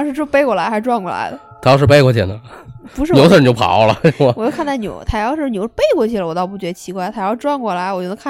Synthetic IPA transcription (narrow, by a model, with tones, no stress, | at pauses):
ʂɻ̩˥˧ʈ͡ʂ̩˥˧˥pe˥˧ɪkwɔ˥˩la˧˥ɪxa˧˥ɪʈ͡ʂwa˥˧nkwɔ˥˩la̰˧˥ɪd̪ə˧t̪ʰjʂɻ̩˥˧pe˥˧ɪkwɔ˥˩t͡ɕʰi˧˥˩d̪ə˩pu˧˥ʂɻ̩˥njo˧˥ʊsʰə˥˩njo˧˥ʊpʰɑ̰˨˧˥ʊlə̰˧˥˧a˧ɔ˨˩t͡ɕjkʰnt̪ʰa˥˩ɪjo˧˥˦ʊt̪ʰa˥˧jɑ˥˧ʊʂɻ̩˥˩njo˧˥ʊ˥˧pe˥˧ɪkwɔ˥˩t͡ɕʰi˥˩lə˧wɔ˨˩t̪ɑ˥˧ʊp̬u˥˩t͡ɕɥɛ˧˥d̪ə˧t͡ɕʰi˧˥kwa˥˧ɪt̪ʰʈ͡ʂwa˥˧nkwɔ˥˩la˧˥ɪwɔ˨˩jo˥˩nə˧˥kʰa˥˨